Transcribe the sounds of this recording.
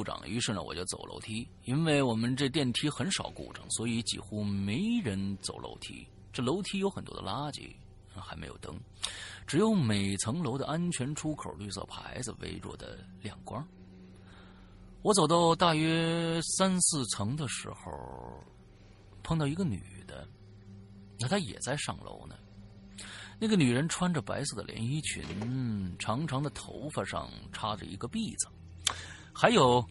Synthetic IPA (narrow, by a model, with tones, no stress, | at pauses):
u˥˩ʈ͡ʂɑ̰˨˩ŋy̰˧˥ʂɻ̩˥˩nə̰˩wɔ̰˨˩t͡ɕjo˥˩t͡so̰˨˩ʊlʔo̰˧˥ʊt̪ʰi˥ | i˥nwe˥˩ɪwɔ˨˩mə˧˦nʈ͡ʂɤ˥˧t̪jɛ˥˩nt̪ʰi˥xə˧˥nʂɑ˨˩ʊkṵ˥˩ʈ͡ʂɤ̰˧˩ŋswɔ˧˥i˧˥t͡ɕḭ˧˩xu˥me˧˥ɪɻə˧˥nt͡so˨˩ʊlʔo̰˧˥ʊt̪ʰḭ˥ | ʈ͡ʂɤ˥˩lo˧˥ʊt̪ʰi˥jo˧˥ʊxə˨˩nt̪wɔ̰˥d̪ə̰˧la˥t͡ɕḭ˧˥˩ | xa˧˥ɪme˧˥ɪjo˨˩ʊt̪ɤ̰˥ŋ | ʈ͡ʂɻ̩˧˩jo˧˥ʊme˨˩ɪt͡sʰɤ˧˥ŋlo˧˥ʊd̪ə̰˧ʔa˥nt͡ɕʰɥɛ˧˥nʈ͡ʂʰu˥kʰo˨˩ʊly˥˧sɤ̰˥˩pʰa̰˧˥ɪd͡zɹ̩˧wḛ˧˥ɪɻwɔ̰˥˩d̪ə̰˩ | ljɑ˨˩ŋkwɐ˥ | wɔ˧˥t͡so˨˩ʊt̪ɑ˥˧ʊt̪a˥˩ɥɛ˥sa˥nsɹ̩˥˩t͡sʰɤ˧˥ŋd̪ə˨ʂɻ̩˧˥xo̰˥˧˩ʊ | pʰɤ˥˧ŋt̪ɑ˥˩i˧˥ɡə˧ny̰˨˩d̪ə̰˦ | na˥˩t̪ʰa˥jɛ̰˨˩t͡sa˥˧ɪʂɑ̰˥˩ŋlʔo̰˧˥ʊnə̰˨ | na˥˩ɡə˩ny˨˩ɻə˧˥nʈ͡ʂʰwa˥nʈ͡ʂə˨pa˧˥ɪsɤ˥˩d̪ə̰˨ljɛ̰˧˥ni˥t͡ɕʰy̰˧˥nʈ͡ʂʰɑ˧˥ŋʈ͡ʂʰɑ˧˥ŋd̪ə˧˨t̪ʰo˧˥ʊfə˧ʂɑ̰˥˧ŋʈ͡ʂʰa˥ʈ͡ʂə̰˨˩ḭ˧˥ɡə˧pi˥˩d͡zə˩ | xa˧˥ɪjo˨˩ʊ